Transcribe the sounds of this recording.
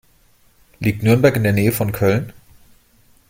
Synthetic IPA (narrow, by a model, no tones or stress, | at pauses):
liːk̚tnʏɐnbɛɐkɪndeːɐneːəfɔnkʰœln